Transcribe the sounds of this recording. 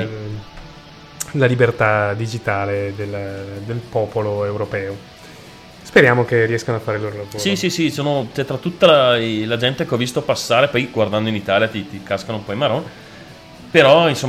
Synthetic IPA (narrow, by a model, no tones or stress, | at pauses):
lalibert̪ad̪id͡ʒit̪aːled̪eld̪elpɔːpoloewɾopɛːo | speɾjaːmokeriɛskanoafːaːɾeilːoːɾolavosːɾisisisoːnot͡ʃɛt̪ːɾat̪ːut̪ːalalad͡ʒɛnt̪ekeɔvːist̪opasːaːɾepɔjɡward̪and̪oinit̪aːljat̪it̪ikaskanoumpɔimaɾon | peɾɔinsomː